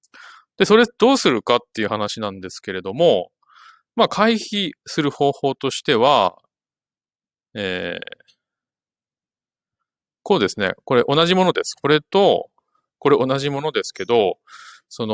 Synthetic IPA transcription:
d̪̥e̞so̞ɾe̞d̪̥o̞ːsɨɾɯ̟kat̪ːe̞iɯ̟hanaɕinãnd̪e̞sɨ̥ke̞ɾe̞d̪o̞mo̞ | makʰaiçisɨɾɯ̟ho̞ːho̞ːt̪o̞ɕi̥t̪e̞β̞a | eː | ko̞ːd̪e̞sɨne̞̰ko̞ɾe̞ʔo̞naʑimo̞no̞d̪e̞sɨ̥ko̞ɾe̞t̪o̞ | ko̞ɾe̞ʔo̞naʑimo̞no̞d̪e̞sɨ̥ke̞d̪o̞ | so̞no

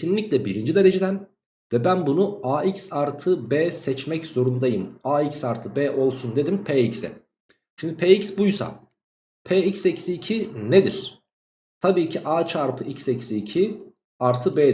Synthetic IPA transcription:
sinlʲiclʲɛbiɾind͡ʒid̪eɾe̞d͡ʒed̪æn | vɛbænbunuaːicsaɾt̪ʰɯbɛːsɛt͡ʃmɛcz̥o̞ɾund̪ajɯmaːicsaɾt̪ʰɯbɛːʔo̞lˠsund̪e̞d̪impʰeːicsɛ̰ | ʃimd̪ipʰeːicsbujsa̰ | pʰeːicsecsiːcʰined̪iɾ̥ | t̪ʰabiːcʰiʔaːt͡ʃʰaɾpʰɯʔicsɛcsiːcʰi | aɾt̪ʰɯbeː

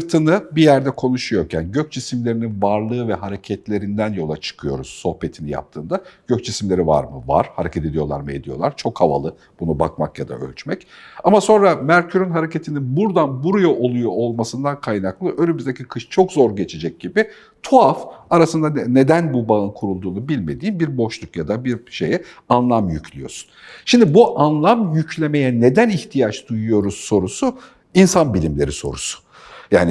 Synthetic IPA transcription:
ɯɾt̪ʰɯnɯbijæɾd̪ɛkʰo̞nuʃujo̞ɾcʰænɟøc̚t͡ʃisimlʲe̞ɾininvaɾlˠɯːvɛɦaɾe̞cʰɛt̪lʲe̞ɾind̪ænjo̞lˠat͡ʃʰɯ̥kʰɯjo̞̰ɾuz̥sːo̞hpe̞t̪ʰinija̰p̚t̪ʰɯːnd̪aɟ̥øc̚t͡ʃʰisimlʲe̞ɾiva̰ɾmɯva̰ɾ̥haɾecʰɛt̪ʰe̞d̪ijo̞lˠa̰ɾmɯe̞̰d̪ijo̞̰lˠaɾt͡ʃʰo̞khava̰lˠɯ | b̥unuba̰kma̰kjad̪a̰ʔø̰lʲt͡ʃmɛcamaso̞nɾamæɾcʰyɾynɦaɾe̞ce̞t̪ʰininbuɾd̪anbuɾujoʔo̞lˠujoʔolˠmasɯnd̪ankʰajnaklˠɯʔølʲymizd̪ecʰikʰɯʃt͡ʃʰo̞kzo̞ɾɟe̞t͡ʃʰed͡ʒɛc̚ɟibɪ | t̪ʰoafaɾasɯnd̪ane̞d̪ænbubaɯnkʰuɾulˠd̪uːnubilʲme̞d̪iːnbiɾbo̞ʃlˠukjad̪abiɾʃḛjɛ | anlˠamjycʰlʲijo̞̰su̥nʃimd̪ibuʔanlˠamjyclʲe̞me̞jɛne̞d̪æniçt̪ʰijat͡ʃd̪ujujo̞ɾuz̥sːo̞ɾusu | insanbilʲimlʲe̞ɾiso̞̰ɾusʊ̥ | jaːnɪ

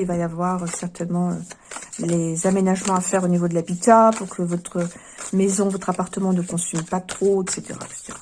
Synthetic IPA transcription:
ilvajavwaʁøsɛʁt̪ɛnmɑ̃ø̰lezamenaʒmɑ̃afɛʁonivod̪əlabit̪apuʁkʰəvɔt̪χə | mɛzɔ̃vɔt̪χapaʁt̪əmɑ̃nəkɔ̃sympat̪χoɛkset̪ḛʁa̰ɛkse̥t̪eʁa

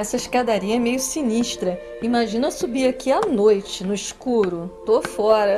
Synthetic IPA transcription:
ɛsɐiʃkad̪aɾiɐɛmejʊsiniʃt̪ɾɐ | imaʒĩnɐsubiɾakianojt͡ʃɪnʊiʃkuɾʊt̪ofɔɾɐ

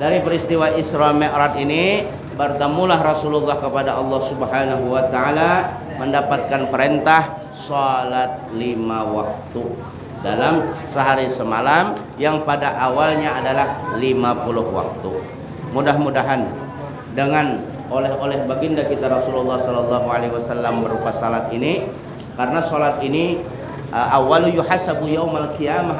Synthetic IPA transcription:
daɾipəɾist̪iwaʔisɾamɛʔɾat̪ini | bərt̪əmulahrɔsululːɑhkəpadaʔɑlːɑhsubəɦanaɦuwat̪aala | məndapat̪̚kanpəɾent̪ah | sɔlat̪̚limawak̚t̪u | dalamsəɦaɾisəmalam | jaŋpadaʔawalɲaːdalahlimapulʊhwa̰k̚t̪ṵ | mudahmudaɦan | dəŋan | olɛholɛhbaɡindakit̪aɾɔsululːɑhsɔlɔlːɑɦualeiwasalːambəɾupasalat̪ini | karənasolat̪ini | ʔawalujuħasabujawmalkijama

